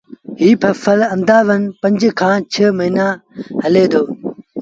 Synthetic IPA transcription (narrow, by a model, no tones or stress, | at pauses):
ɦiːpʰɐfɐlɐnd̪aːʋɐnpɐ̃ɲd͡ʑkʰãːt͡ɕʰəmɐɦiːnaːɦɐleːd̪oː